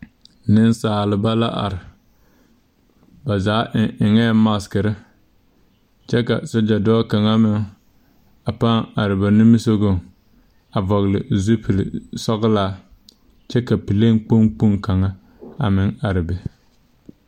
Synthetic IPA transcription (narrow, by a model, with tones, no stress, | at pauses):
nɪ˦n˦saː˨lɪ˨ba˦la˦ʔa̰˨ɾɪ˨ | ba˨zaː˨˦ʔɪ˨ŋɛː˦ma˦skɪ˨ɾɪ˦ | t͡ʃɛ˦ka̰˨so˦d͡ʒa˨dɔː˦ka˨ŋa˦mɪ˨ŋ | a˨pa˦ŋa˨ɾɪ˨ba˨nu˦mi˦so˦ɡo˦˨ŋ | a˨vɔ˨ɣlɪ̰˨zu˦pi˨l̰sɔ˦ɣlaː˦ | t͡ʃɛ˦ka˨pi˨le˦ŋ˦k͡po˦ŋk͡pu˦ŋka˨ŋa˦ | a̰˨mɪ˨ŋa˨ɾɪ˨bɛ˨